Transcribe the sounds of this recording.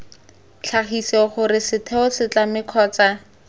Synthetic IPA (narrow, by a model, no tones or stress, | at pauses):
t͡ɬʰaχisɛɔχʊɾɪsɪtʰɛʊsɪt͡ɬamɪkʰɔːt͡sa